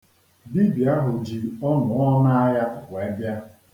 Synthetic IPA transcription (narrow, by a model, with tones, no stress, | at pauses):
bi˦bja˦ɦʊ˨d͡ʒi˨ɔ˦nʊ˨ɔ˦na˦a˦ja˦kʊ˨kʷe˦bja˦